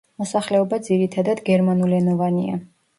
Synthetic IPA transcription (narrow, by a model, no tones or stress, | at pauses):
mɔsaχlɛɔbad̪ziɾit̪ʰad̪ad̪ɡɛɾmanulɛnɔvania̰